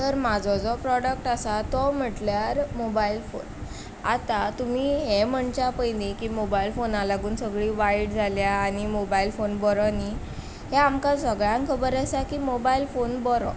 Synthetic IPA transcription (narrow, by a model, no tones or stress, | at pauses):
t̪əɾmad͡zʱɔd͡zɔpɾɔɽək̚ʈasat̪ɔm̤əʈljaɾmobailfo̰n | a̰t̪at̪umiːɦem̤əɳt͡ɕapəjnikimobailfonalaɡuːnsəɡɭiːʋaiɽd͡zʱaljaːñimobailfonbɔɾɔni | ɦɛamkãsəɡɭjãŋkʰəbəɾasakimobailfonbɔɾɔ̰